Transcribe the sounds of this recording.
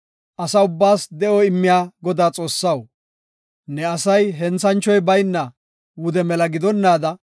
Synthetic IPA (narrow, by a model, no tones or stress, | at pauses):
ʔɐsɐʊbːaːsd̪ɛʔɔɪmːɪjaːɡɔd̪aːt͡sʼo̞ːsːɐw | nɛɐsɐjɦɛnt͡sɐnt͡ʃɔjbɐjnːɐ | wʊd̪ɛmɛlɐɡɪd̪ɔnːaːd̪ɐ